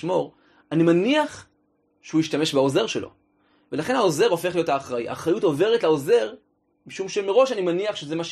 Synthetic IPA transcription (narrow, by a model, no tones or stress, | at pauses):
mo̞ʁ | animaniaχ | ʃehuiʃtame̞ʃbaoze̞ʁʃelo̞̰ | velaχe̞nhao̞ze̞ʁo̞fe̞χlijo̞thaːχʁaḭha̰χʁajuto̞ve̞ʁetlaoze̞ʁ | miʃumʃemeʁo̞ʃanimaniaχʃezemaʃ